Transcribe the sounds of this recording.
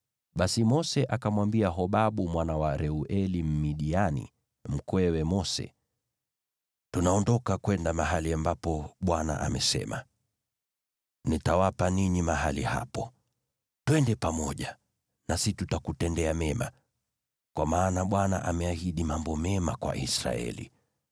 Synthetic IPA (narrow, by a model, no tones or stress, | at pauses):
ɓasimɔsɛʔakamwambiaɦɔɓaɓumwanawaɾɛuʔɛlim̩miɗianḭ | m̩kwɛwɛmɔsɛ̰ | tunaɔndɔkakwɛndamaɦaliambapɔɓwana̰ʔa̰mɛsɛ̰ma̰ | nitawapaniɲimaɦaliha̰pɔ | twɛndɛpamɔʄa | nasitutakutɛndɛamɛma̰ | kwamaːnaɓwana̰ʔamɛahiɗimambɔmɛmakwa̰ʔḭsɾa̰ɛ̰lḭ